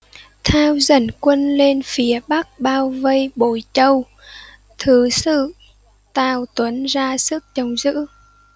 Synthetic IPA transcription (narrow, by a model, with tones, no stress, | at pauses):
t̪ʰaː˧wzə˧˩nkwə˧nle˧nfi˨˦əɓa˦˥k̚ɓaː˧wvə˧jɓo˧˩jt͡ɕə˧w | t̪ʰɨ˨˩sɨ̰˧˨ | t̪aː˧˩wt̪wə˨˦nzaː˧sɨ˦˥k̚t͡ɕə˨˧˩wŋ͡mzɨ̰˧˥